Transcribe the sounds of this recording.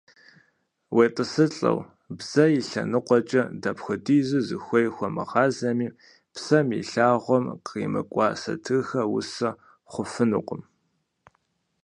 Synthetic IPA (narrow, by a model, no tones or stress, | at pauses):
weːtʼɨsɨɬʼɐ̰w | bz̥ɐjɪɬɐ̰nɨqʷʼɔt͡ʃʼɐdɐpxʷʊdiːzɨzɨxʷɔjxʷɔmɨ̰ʁɑːzɐmiː | psɐmjḭɬaːʁʷɔmqḭːmɨkʷʼɑ̰ːsɐ̰tʰɨxɐwʊ̰sɐ | χʷʊfɨnɨqʷʼʊm